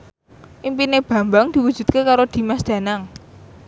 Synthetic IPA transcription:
ʔimpineb̥a̤mbaŋd̪̥iwud̥ʒ̥ṳt̪̚kekaɾod̪̥i̤masd̪̥ä̤naŋ

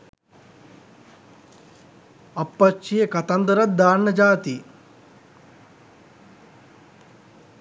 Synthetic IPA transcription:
ɐpːɐt͡ʃijekɐt̪ɐnd̪ɐɾɐt̪̚d̪aːnːɐd͡ʒaːt̪i

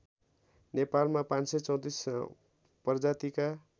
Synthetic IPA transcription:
nepalmapãnset͡sʌw̃t̪is | pʌrd͡zat̪ika

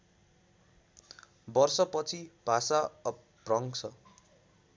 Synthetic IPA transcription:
bʌrsʌpʌt͡sʰib̥ʱasa | prʌŋsʰʌ

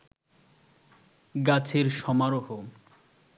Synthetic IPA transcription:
ɡat͡ɕʰeɾʃɔmaɾoɦo

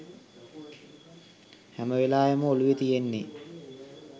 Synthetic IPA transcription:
hæməʋelaːjəməoluʋet̪ijenːe

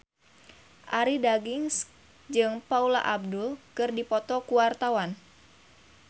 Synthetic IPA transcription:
ʔaɾidaɡiŋs | d͡ʒɨŋpaula̰ʔab̚dʊlkɨrdipɔt̪ɔkuwart̪awan

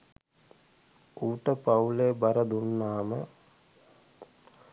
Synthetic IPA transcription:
uːʈəpawlebɐɾɐd̪unːaːmə

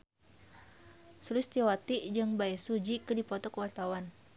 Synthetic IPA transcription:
sulɪst̪iwat̪id͡ʒɨŋbaɛsud͡ʒikɨdipɔt̪ɔkəwart̪awan

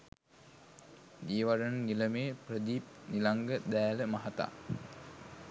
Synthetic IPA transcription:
ɡ̪iːʋaɖənəniləmeːprəd̪iːp̚nilaŋɡəd̪æːləmaɦat̪a̰ː

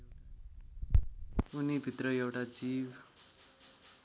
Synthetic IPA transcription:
unibʱit̪rʌewʈad͡zib

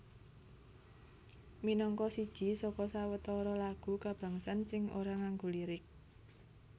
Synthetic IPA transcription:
minɔŋkɔsid̥ʒ̥i̤sɔkɔsawət̪ɔɾɔlaɡ̥ṳkab̥ä̤ŋsansɪŋo̰ɾaŋaŋɡo̤liɾɪk̚

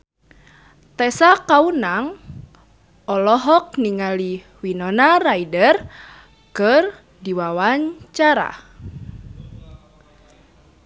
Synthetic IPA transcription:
t̪ɛsakaunaŋ | ɔlɔɦɔk̚niŋali | winɔnaraidər | kɨr | diwawaɲt͡ʃaɾa̰

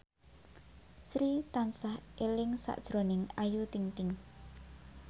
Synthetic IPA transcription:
sɾit̪ansahʔelɪŋsa̰ʔd̥ʒ̥ɾo̤nɪŋajut̪iŋt̪ɪŋ

